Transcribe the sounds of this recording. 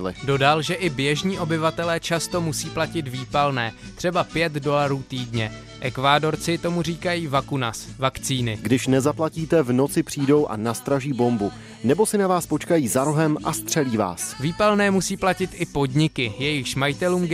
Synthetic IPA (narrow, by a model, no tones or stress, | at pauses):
ɪlɪ̰do̞dalʒɛʔɪbjɛʒɲiːʔo̞bɪvat̪ɛlɛːt͡ʃast̪o̞musiːplacɪt̪viːpalnɛːt̪r̥ɛbapjɛt̪do̞laɾuːt̪iːdɲɛ | ʔɛkvaːdo̞ɾt͡sɪt̪o̞muriːkajiːvakunasvakt͡siːnɪɡdɪʃnɛzaplaciːt̪ɛvno̞t͡sɪpr̝̥iːdo̞wʔa̰nast̪ɾaʒiːbo̞mbu | nɛbo̞sɪnavaːspo̞t͡ʃkajiːzaɾoɦɛmʔast̪r̝̥ɛliːva̰ːsviːpalnɛːmusiːplacɪt̪ʔɪpo̞dɲɪkɪjɛjɪxʃmajɪt̪ɛluːm